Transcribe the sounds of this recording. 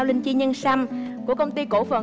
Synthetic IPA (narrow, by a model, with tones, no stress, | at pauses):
wlï˧ŋt͡ɕi˧ɲə˧nsa˧mku˧˩əkə˧wŋ͡mt̪i˧ko˧˩fə̰˨˩n